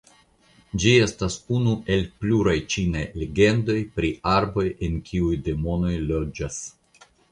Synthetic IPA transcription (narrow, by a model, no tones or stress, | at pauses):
d͡ʒie̞stasunuʔe̞lpluɾajt͡ʃinajleɡe̞ndo̞jpɾiaɾbo̞je̞nkʲʰiujde̞mo̞no̞jlo̞d͡ʒas